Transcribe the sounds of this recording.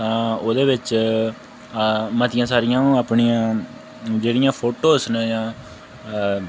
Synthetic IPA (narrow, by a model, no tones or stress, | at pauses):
t̪ãːoːd̪eːʋɪt͡ʃ | mət̪ɪjãːsaːɾɪjãːnũːaːpɳijãː | d͡ʒeːɽɪjãːpʰoːʈoːsnəjãː